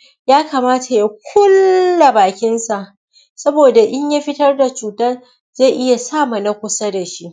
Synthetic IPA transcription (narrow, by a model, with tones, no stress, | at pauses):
jaː˦kaː˨maː˦tʰa˨ja˦kʷʰʊ˦lːa˨baː˨kʲɪ˦nsa˨ʔ | sɐ˦boː˨da˨ʔɪ˦ɲja˦ɸɪ˦tɐ˦rda˨t͡ʃuː˨tɐ˦ | z̥a˦˨ʔɪ˦ja˨saː˦ma˨na˦kʷʊ˦sa˦da˨ʃi˦ʔ